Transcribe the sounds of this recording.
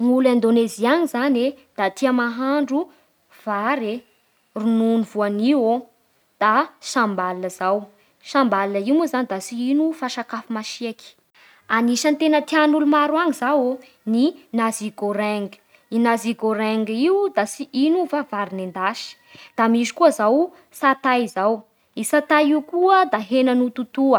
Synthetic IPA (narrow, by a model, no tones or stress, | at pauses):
muland̪oneziaŋizaned̪̥at̪ʰiəmaɦaɳɖ͡ʐu | v̥aɾe | rununvuaniwo | d̪̥asambalinəzaw | sambalinəiwmuzanid̪asiinufaʃakafumaʃieki̥ | aniʃənt̪enət̪ianulumaɾwaŋizawo | ninaziɡoɾeŋɡə̥ | inaziɡoɾeŋɡiwd̪asiʔinuvavaɾinend̪aʃi̥ | d̪̥amizi̥kuəzaw | sat̪ajzaw | isat̪aiukuəd̪aɦenənut̪ut̪uə